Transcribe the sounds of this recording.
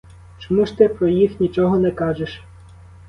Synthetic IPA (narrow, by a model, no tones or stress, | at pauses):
t͡ʃɔmuʃt̪ɪpɾɔjixnʲit͡ʃɔɦɔnɛkɑʒeʃ